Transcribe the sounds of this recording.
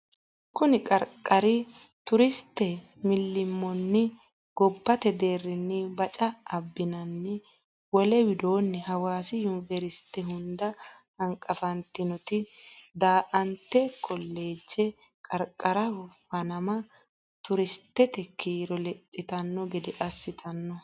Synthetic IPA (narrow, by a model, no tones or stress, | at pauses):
kʊnɪkʼɐɾkʼːɐɾɪ | t̪ʊɾɪst̪ːɛ | mɪlːɪmːɔnːɪ | ɡ̥ɔbːɐt̪ɛd̪e̞ːrːɪnːɪbɐt͡ʃʼɐɐbːɪnɐnːɪ | wɔlɛwɪd̪o̞ːnːɪhɐwaːsɪjʊnvɛɾɪst̪ːɛɦʊnd̪ɐ | hɐŋkʼɐfɐnt̪ɪnɔt̪ɪd̪aːʔɐnt̪ːɛkɔlːe̞ːd͡ʒːɛ | kʼɐɾkʼːɐɾɐhʊfɐnɐmɐ | t̪ʊɾɪst̪ːɛt̪ɛkʰiːɾɔlɛtʼːɪt̪ɐnːɔɡɛd̪ɛʔɐsːɪt̪ʰɐnːɔ